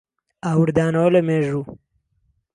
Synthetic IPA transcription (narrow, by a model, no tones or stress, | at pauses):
awɾd̪ɑːnowlɐmeːʐu